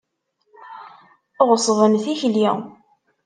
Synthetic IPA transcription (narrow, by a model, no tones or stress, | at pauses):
ʁsˤvənθiçli